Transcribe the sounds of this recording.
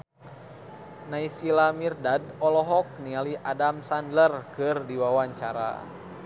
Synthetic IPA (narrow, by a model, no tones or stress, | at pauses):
naisilamirdadɔlɔɦɔk̚nialiʔadamsandlərkɨrdiwawaɲt͡ʃaɾa̰